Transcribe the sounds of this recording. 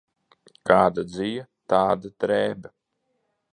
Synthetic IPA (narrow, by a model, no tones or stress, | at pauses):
kaːd̪ad̪zijat̪aːd̪at̪ɾɛːbɐ